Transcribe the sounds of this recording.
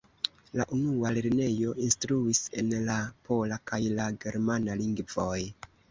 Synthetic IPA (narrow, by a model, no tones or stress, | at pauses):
laʔunualeɾne̞jo̞ʔinstɾuise̞nlapʰo̞lakajlaɡe̞ɾmanaliŋɡvo̞j